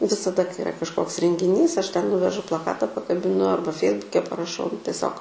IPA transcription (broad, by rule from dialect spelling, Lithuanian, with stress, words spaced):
ʋʲɪsɐˈdɐ kɐɪ ɪˈrɐ kɐʃˈkoːks rʲɛŋʲɡʲɪˈnʲiːs ˈɐʃ tʲɛn ˈnʊʋʲɛʒʊ plˠɐˈkɑːtɐ pɐkɐbʲɪˈnʊ ˈɐrbɐ ˈfʲɛɪzbʊkʲɛ pɐrɐˈʃɐʊ nʊ tʲɛˈsʲoːk